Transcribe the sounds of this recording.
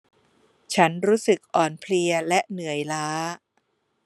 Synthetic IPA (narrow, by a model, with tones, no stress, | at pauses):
t͡ɕʰa˦˥nɾuː˦˥sɯ˨˩k̚ʔɔː˨˩npʰli˧ɐlɛ˦˥ʔnɯ˨˩˦əjlaː˦˥